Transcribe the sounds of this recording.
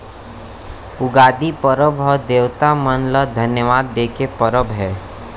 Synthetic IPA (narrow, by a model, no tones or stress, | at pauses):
ʊɡaːd̪ipəɾəbɔːɾd̪eːʋt̪amənləd̪ʱənjəʋaːd̪ːeːkepəɾəbɦɛː